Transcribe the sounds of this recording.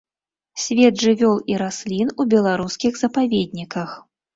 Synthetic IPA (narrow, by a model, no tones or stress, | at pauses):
sʲvʲɛd̪ʐɨvʲɔlˠiɾasʲlʲinubʲɛlˠaɾuskʲiɣzɐpavʲɛd̪̚ʲnʲikɐx